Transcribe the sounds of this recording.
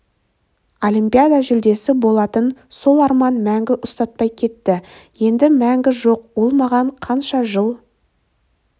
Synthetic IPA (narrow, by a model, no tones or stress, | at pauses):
olʲimpʲijad̪ɑʒʏld̪e̞sɪbo̞lˠɑt̪ənso̞lˠɑɾmɑnmæŋɡʲɪʔʊst̪ɑt̪̚pɑjkʲʰe̞t̪ːɪje̞nd̪ɪmæŋɡʲɪʒo̞qbo̞lˠmɑʁɑɴqʰɑnʃɑʒəlˠ